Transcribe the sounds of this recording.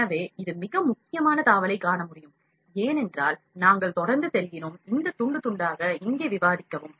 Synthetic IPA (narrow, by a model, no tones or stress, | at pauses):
nɐʋeːɪðɯmɪɣɐmʊkːɪjɐmaːnɐt̪aːʋɐlɐɪkːaːɳɐmʊɽɪjɯm | eːnɛndraːl | naːŋɡɐɭt̪ɔɽɐɾnd̪ɯsɛlɣɪnoːmɪnd̪ɐt̪ʊɳɖɯt̪ʊɳɖaːɣɐɪŋɡeːʋɪʋaːðɪkːɐʋɯm